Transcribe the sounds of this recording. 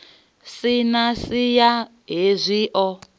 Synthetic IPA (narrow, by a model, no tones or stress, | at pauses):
sinasija | ɦezʷiʔɔ